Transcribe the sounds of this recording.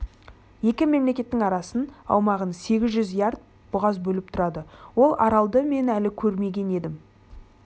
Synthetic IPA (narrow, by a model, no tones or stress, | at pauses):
je̞kʲɪme̞mle̞kʲe̞t̪ːɪŋɑɾɑsənɑ̰wmɑʁənse̞ɡʲɪzʒʏzijɑɾd̪̚ | b̥ʊʁɑzbɵlɪp̚t̪ʰʊɾɑd̪əwo̞lˠɑɾɑlˠd̪əme̞nælɪkʲʰɵɾme̞ɡʲe̞ne̞d̪ɪm